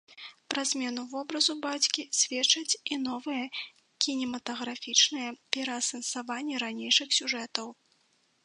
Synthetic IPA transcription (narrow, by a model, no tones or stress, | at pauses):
pɾɐzʲmʲɛnuvɔbɾɐzubat͡sʲkʲisʲvʲɛt͡ʂɐt͡sʲinɔvɨjɛ | kʲinʲɛmɐt̪ɐɣɾafʲit͡ʂnɨjɐpʲɛɾɐːsɐnsavanʲːɛɾanʲejʂɨxsʲuʐɛt̪ɐw